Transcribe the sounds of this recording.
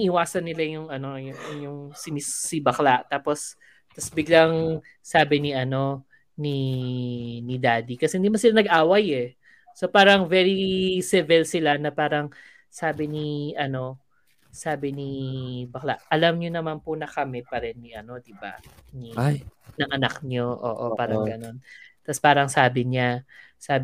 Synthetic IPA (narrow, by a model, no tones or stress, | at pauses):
ʔɪwaːsɐnːɪlajʊŋɐno̞jʊŋʊŋjʊŋsɪmisːibɐklaʔt̪aːpo̞s | t̪ɐsbɪɡlaŋ | saːbɪniʔɐno̞ | ni | nid̪aːd̪ikɐsɛhɪnd̪iːmɐnsɪlanɐɡʔaːwɐjɛ | sopaːɾɐŋvɛɹisɛvɛlsɪlanɐpaːɾɐŋ | saːbɪniʔɐno̞ | saːbɪnibɐkla̰ʔʔɐlamɲonɐmanpʊnɐkɐmɛpɐɾɛnːiʔɐno̞d̪ɪba̰nijnɐŋʔɐnakɲo̞ʔo̰ːʔo̰paːɾɐŋɡɐno̞nt̪ɐspaːɾɐŋsaːbɪɲasaːb